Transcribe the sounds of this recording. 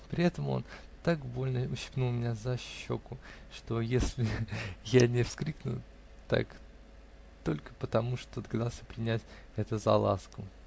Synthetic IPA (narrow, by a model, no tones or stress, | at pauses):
pɾʲɪɛt̪əmo̞̰nt̪akbo̞lʲnəʊɕːɪ̥pnulˠmʲɪnʲazɐɕːo̞̰kʊʂt̪o̞jesʲlʲɪjanʲɪfskɾʲiknʊ̰ | t̪a̰k | t̪o̞lʲkə̥pət̪ɐmuʂt̪o̞d̪əɡɐd̪alˠsʲəpɾʲɪnʲætʲ | ɛt̪əzɐ̰lˠa̰skʊ